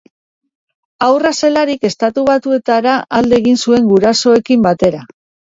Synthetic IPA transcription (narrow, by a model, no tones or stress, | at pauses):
awrase̞laɾike̞st̪at̪uβat̪ue̞t̪aɾaʔald̪e̞ːɣinsue̞ŋɡuɾaso̞e̞kimbat̪e̞ɾa